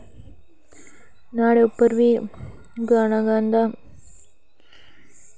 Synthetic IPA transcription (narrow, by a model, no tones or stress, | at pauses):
naːɽeupːɐɾʋi | ɡaːnaɡaːnd̪a